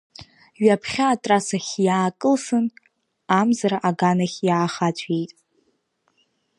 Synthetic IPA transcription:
ɥapʰχʲaːtʼrasaχʲjaːkʼɨlsɨn | amzaɾaʔaɡanaχʲjaːχat͡ɕʷʰʼejtʼ

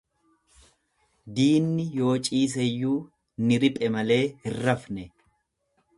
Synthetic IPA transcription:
d̪iːnːɪjo̞ːt͡ʃʼiːs̬ɛjːuː | nɪɾɪpʼɛmɐle̞ːhɪrːɐfnɛ

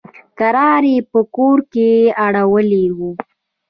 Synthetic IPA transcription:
kaɾɑɾepəkoɾkeaɽawəlewu

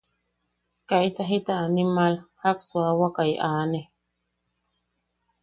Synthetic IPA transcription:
kait̪aɦit̪aːnimalhakswawakajʔaːne

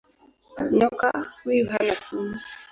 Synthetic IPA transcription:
ɲɔkawujuɦanasumu

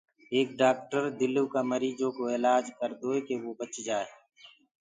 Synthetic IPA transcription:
eːk̚ɖaːk̚ʈəɾd̪ɪlukaməɾiːd͡ʒõkoeːlaːd͡ʒkəɾd̪oːekeʋobət͡ʃd͡ʒaːe

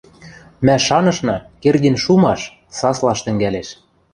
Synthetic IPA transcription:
mæʃɑnɤ̆ʃnɤkerɣinʃumɑʃ | sɑslɑʃt̪ɘ̆ŋɡæleʃ

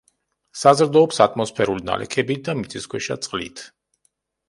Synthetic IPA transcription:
sazɾd̪ɔːpsat̪ʰmɔspʰɛɾulina̰lʔɛ̰kʰɛbid̪amit̪sʼʰiskʰwɛʃat̪sʼqʼlḭt̪ʰ

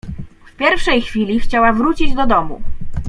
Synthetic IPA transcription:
fpʲjɛɾfʂɛjxfʲilʲixt͡ɕawavɾut͡ɕid͡ʑd̪ɔd̪ɔmṵ

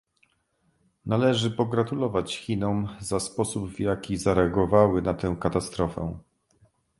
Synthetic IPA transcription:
nalɛʐɘpɔɡɾat̪ulɔvat͡ɕxʲinɔmzaspɔsubvjakʲizaɾɛaɡɔvawɘnat̪ɛw̃kat̪ast̪ɾɔfɛ̰

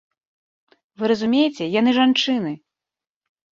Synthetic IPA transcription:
vɨɾɐzumʲejit͡sʲɛjanɨʐant͡ʂɨnɨ

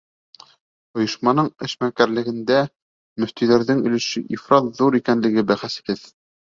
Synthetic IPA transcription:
ŏjɤ̆ʃmɑnɤɴɘ̆ʃmækæɾlɘ̆ɡɘ̆nd̪æ | mɵ̆ft̪iðæɾðɘŋɵ̆lɘ̆ʃɘʔifɾɑt̪ðuɾikænlɘ̆ɡɘbæχæs̆kɘð

